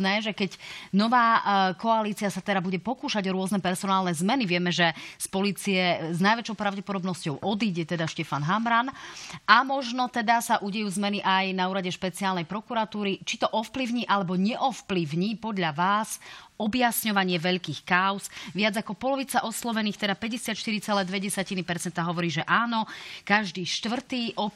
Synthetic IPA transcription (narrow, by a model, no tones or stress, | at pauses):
nɛːʒɛkɛɟnɔʋaːkɔaliːt͡siasat̪ɛd̪abuɟɛpɔkuːʃaɟɔɾʊɔznɛpɛɾsɔnaːlˠnɛzmɛniʋɪɛmɛʒɛspɔliːt͡siɛznajʋɛt͡ʃɔʊpɾaʊɟɛpɔd̪ɔbnɔscɔʊʔɔd̪iːɟɛt̪ɛd̪aʃcɛfanɦamɾanamɔʒnɔt̪ɛd̪asaʔuɟɛjuːzmɛniʔajnauːɾaɟɛʃpɛt͡siaːlnɛjpɾɔkuɾat̪uːɾit͡ʃit̪ɔʔɔfpliʊɲiːʔalɛbɔɲɛʔɔfplivɲiːpɔd̪ʎaʋaːsɔbjasɲɔʋaɲɪɛʋɛʎkiːxkaʊzʋɪad͡zakɔpɔlɔʋiːt͡saʔɔslɔʋɛniːxt̪ɛd̪apɛɟɛsɪat̪ʃt̪iɾit͡sɛlɛːd̪ʋɛɟɛsacinipɛɾt͡sɛnt̪aɦɔʋɔɾiːʒɛʔaːnɔkaʒd̪iːʃt̪ʋr̩t̪iːʔɔ